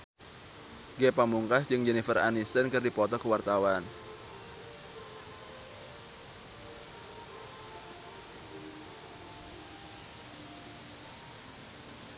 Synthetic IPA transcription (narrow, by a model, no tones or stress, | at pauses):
ɡepamuŋkasd͡ʒɨŋd͡ʒɛnifəra̰nist̪ənkərdipɔt̪ɔkəwart̪awan